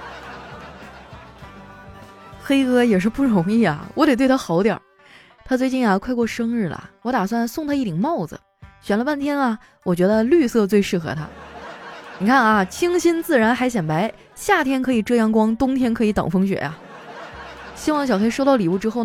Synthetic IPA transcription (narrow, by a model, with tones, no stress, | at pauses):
xe˥ɪkɤ˥jɛ˨˩ʂ̬ɻ̩˥˧pu˥˩ɻʊ˧˥ŋi˥˩ɐ̰˨˩wɔ˧˥t̪e˨˩twe˥˩ɪa˥xɑ˧˥ʊt̪jɑ̰˨˩˦ | t̪ʰa˥t͡swe˥˧ɪt͡ɕi˥˩nja˨˩kʰwa˥˧ɪkwɔ˥˧ʂɤ˥ŋɻɻ̩˥˩lɐ̰˩wɔ˧˥t̪a˨˩swa˥˧nsʊ˥˧ŋt̪ʰa˥i˥˩t̪ʰi˨˩ŋmɑ˥˩ʊd͡zə̰˩ | ɕɥɛ˨˩nlə˦pa˥˩nt̪ʰjɛ˥nɐ˨ | wɔ˨˩t͡ɕɥɛ˧˥d̪ə˧ly˥˧sɤ˥˧t͡swe˥˧ɪʂɻ̩˥˩xɤ̰˧˥t̪ʰa̰˥ | ni˨˩kʰa˥˩nɐ˩t͡ɕʰi˥ŋɕi˥nt͡sɹ̩˥˩ɻa˧˥nxa˧˥ɪɕjɛ˨˩npa˧˥ɪ | ɕja˥˩t̪ʰjɛ˥nkʰɤ˧˥i˨˩ʈ͡ʂɤ˥˧jɑ˥˩ŋkwɑ˥ŋt̪ʊ˥ŋt̪ʰjɛ˥nkʰɤ˧˥i˧˥t̪ɑ̰˨˩ŋfɤ˥ŋɕɥɛ̰˨˩˦ja̰˧˩ | ɕi˥wɑ˥˩ŋ˩ɕjɑ˨˩ʊxe˥ɪʂo˥ɑ˥˩ʊli˨˩u˥˩ʈ͡ʂɻ̩˥xo˥˩ʊ